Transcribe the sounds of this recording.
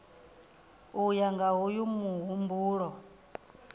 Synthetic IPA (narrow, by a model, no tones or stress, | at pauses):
ujaŋɡaɦujumuɦumbuːɺɔ